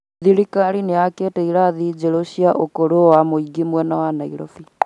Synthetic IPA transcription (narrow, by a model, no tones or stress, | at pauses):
ðiɾikaɾineaketɛiɾaðid͡ʒeɾoɕiaʔokoɾowamoiɡimwɛnawanaḭɾɔfi